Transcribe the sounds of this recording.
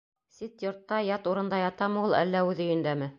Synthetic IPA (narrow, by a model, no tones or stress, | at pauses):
sit̪jŏɾt̪ːɑjɑt̪uɾɤ̆nd̪ɑjɑt̪ɑmɤulˠæ̰lːæʉðɘ̆jɵ̆nd̪æmɘ